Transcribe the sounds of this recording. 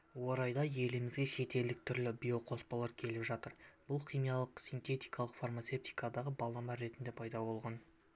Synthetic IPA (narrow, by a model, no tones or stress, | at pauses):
wo̞ɾɑjd̪ɑje̞lɪmɪzɡʲeʃe̞t̪e̞ld̪ɪk̚t̪ʰʏɾlɪbijo̞qʰo̞spɑlˠɑɾkʲʰe̞lɪpʒɑt̪əɾbʊlˠqijmijɑlˠəqsijnt̪e̞t̪ijkʰɑlˠəqfarmat̪se̞p̚t̪ijkɑd̪ɑʁəbɑlˠɑmɑɾe̞t̪ɪnd̪epʰɑjd̪ɑbo̞lˠʁɑn